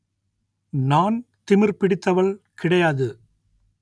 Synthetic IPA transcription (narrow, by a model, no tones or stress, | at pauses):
naːn | t̪ɪmɪɾpɪɽɪt̪ːɐʋɐɭkɪɽɐjaːðɯ